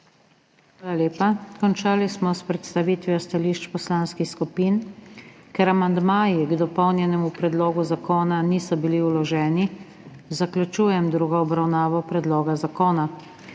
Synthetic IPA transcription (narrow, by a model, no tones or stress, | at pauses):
xʋaːlaljeːpakɔnt͡ʃaːlismɔspɾɛt̪st̪aʋiːt̪ʋjɔst̪aliːʃt͡ʃpɔslanskixskupiːn | kɛɾamand̪maːjiɡd̪ɔpɔwnjɛnɛmupɾɛd̪lɔːɡuzakɔːnaniːsɔbiliulɔʒɛːni | zakljut͡ʃuːjɛmd̪ɾuːɡɔɔbɾawnaːʋɔpɾɛd̪lɔːɡazakɔːna